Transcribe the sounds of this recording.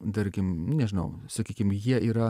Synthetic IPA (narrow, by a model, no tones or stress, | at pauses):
d̪ɐɾʲɡʲɪmnʲɛʒʲɪnɐ̰ʊsɐkʲiːkʲɪmjiɛʔiːɾɐ